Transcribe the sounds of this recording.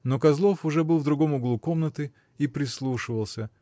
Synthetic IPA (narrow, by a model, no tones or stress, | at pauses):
nokɐzlˠo̞fʊʐɛbɨlˠvd̪ɾʊɡo̞mʊɡlˠuko̞mnət̪ɨ | ipɾʲɪslˠuʂɨvəlˠsʲə